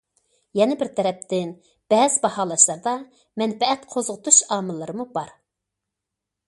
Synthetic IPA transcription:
jɛnɪbɪɾt̪ʰɛɾɛp̚t̪ʰɪn | b̥ɛːzɪbɑhɑːlˠɑʃlˠɑɾd̪ɑ | mɛnfɛɛt̪qʰozʁʊt̪uʃɑːmɨlˠːɨɾɨmubɑɾ

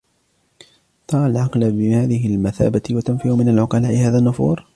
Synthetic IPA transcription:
t̪ˤɑːʕalʕɑqlbɪhaːðɪɦɪlmaθa̰ːbat̪wat̪ʊmfiʕʊmɪnalʕʊqɑlaːʔɪhaːðaːnːʊfṵːɾ

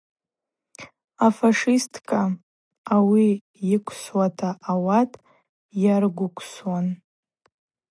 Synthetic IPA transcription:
afaʂistʰʼkʰʼa | awi | jɪkʷʰswatʰaʔːwatʼ | jarɡʷʊkʷʰswan

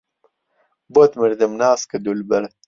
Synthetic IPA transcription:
bot̪miɾd̪emnaːskɐd̪ulbɐl

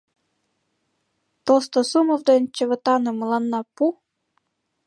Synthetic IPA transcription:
t̪ost̪osumovd̪ent͡ɕə̆βə̆t̪ɑnɤməlɑnːɑpu

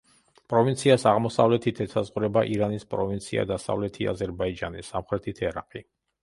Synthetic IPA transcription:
pʼɾɔvint̪sʰiasaʁmɔsavlɛt̪ʰit̪ʰɛsʰazʁuɾɛbaʔiɾanispʼɾɔvint̪sʰia̰d̪asa̰vlɛt̪ʰia̰zɛɾbaid͡ʒanisamχɾɛt̪ʰit̪ʰɛɾaqʼi

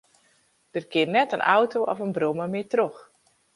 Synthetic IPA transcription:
d̥ərkɪnnɛtənʔawtoɔ̰fənbroməmɪːtrox

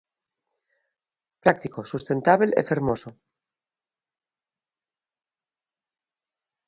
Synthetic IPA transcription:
pɾak̚t̪iko̞sust̪ẽ̞nt̪aβelʔḛfeɾmoso

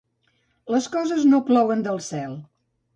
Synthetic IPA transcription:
ləskɔzəznoplɔwənd̪əlˠsɛlˠ

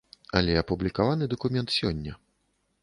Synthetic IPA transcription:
ɐlʲɛɐpublʲikavanɨd̪ɐkumʲɛnt̪sʲɔnʲːɐ

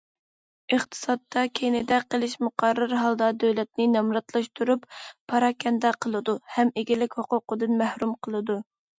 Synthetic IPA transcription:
əχt̪ʰɨ̥sɑt̪ːɑkʲʰejnɪd̪ɛqəlˠɪʃmʊqʰɑɾːɨɾɦɑlˠd̪ɑd̪øwlɛt̪̚nɪnɑmɾɑt̪lˠɑʃt̪ʰuɾuppʰːɑɾɑkʲɛnd̪ɛqʰəlˠɨd̪uhɛmeɡʲɪlɪkʲhoqʊqʊd̪ɨnmæhɾumqʰəlˠɨd̪u

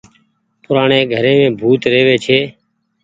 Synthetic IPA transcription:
pʊɾaːɳeːɡʱəɾẽːmẽːbʱuːt̪ɾeːʋeːt͡ʃʰeː

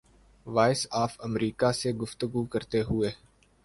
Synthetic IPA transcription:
ʋaːɪsaːfəmɾiːkaseɡʊft̪əɡukəɾt̪eɦʊeː

